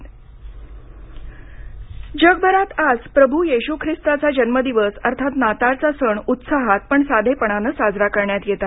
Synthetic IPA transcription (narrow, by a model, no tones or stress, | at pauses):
d͡ʑəɡ̚bʱəɾat̪ad͡zpɾəbʱujeɕukʰɾist̪at͡sad͡ʑənməd̪iʋəsəɾt̪ʰat̪nat̪at͡sasəɳut̪saɦat̪̚pəɳsad̪ʱepəɳ̃anəsad͡zɾakəɾɳjat̪jet̪a